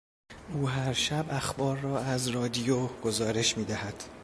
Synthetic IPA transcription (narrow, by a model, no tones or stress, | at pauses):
ʔuːɦæɾʃæbæxbɒːɾːɒːæzrɒːd̪ijoɡ̥ozɒːɾe̞ʃmiːd̪æhæd̪̥